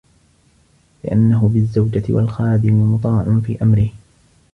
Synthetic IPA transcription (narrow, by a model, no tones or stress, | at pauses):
lɪʔa̰nːaɦʊbɪzːawd͡ʒat̪ɪ̰wa̰lxaːd̪ɪmɪmʊt̪ˤɑːʕʊnfḭːʔamɾɪh